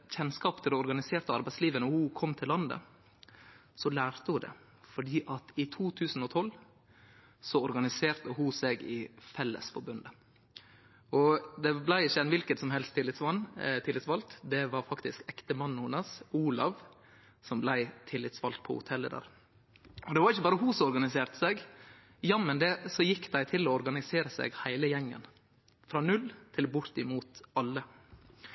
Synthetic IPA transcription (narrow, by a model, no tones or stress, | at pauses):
çɛnskɑːpt̪ʰɪld̪ɛɔɾɡɑnɪseːɾt̪əɑɾbæɪsliːʋənəɔhʊkʰɔmːt̪ʰɪlːɑnd̪ə̰ | sɔlæːɾt̪əhʊd̪ɛ̰ | fɔɖiːʔɑt̪ɪt̪ʰuːt̪ʰʉːsn̩ɔt̪ʰɔlː | sɔɔɾɡɑnɪseːɾt̪əhʊsɛɡɪfɛlːə̰sfɔɾbʉnd̪ə | ɔd̪ɛblæɪɪçːəɛnʋɪlkət̪sɔmɦɛlst̪ʰːɪlːɪt̪sʋɑnt̪ʰɪlɪt̪sʋɑlt̪d̪ɛʋɑɾfɑkt̪ɪskɛkt̪əmɑnːuːnɑsuːlɑʋ | sɔmblæɪt̪ʰɪlːɪt̪sʋɑ̰lt̪̚pʰɔ̰hʊ̰t̪ʰɛlːḛːd̪ə̰ɾ | ʔɔd̪ɛʋɑɾɪçːəbɑːɾəɦusɔɔɾɡɑnɪseːɾt̪ə̥sɛɡ | jɑmɛnd̪ɛsɔjɪkːd̪æɪt̪ʰɪlɔɔɾɡɑnɪseːɾəsɛ̰ɡhæɪləjɛŋːə̰n | fɾɑːnʉlt̪ʰɪlbʊɾt̪ɪmuːt̪ɑlːə